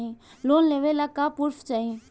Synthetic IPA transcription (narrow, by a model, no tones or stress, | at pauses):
ɦĩ | loːnleːʋelakːapuɾft͡ʃaːɦĩ